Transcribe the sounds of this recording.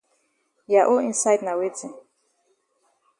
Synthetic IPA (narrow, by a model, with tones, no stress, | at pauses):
ja˨ʔo˦ĩ˦nsa˦jtna˨we˦t͡si˨